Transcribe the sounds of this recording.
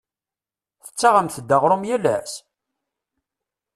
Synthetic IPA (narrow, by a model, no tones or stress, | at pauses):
θə̥t͡sːaʁəmθəd̪ːəʁɾˤʊmjælæs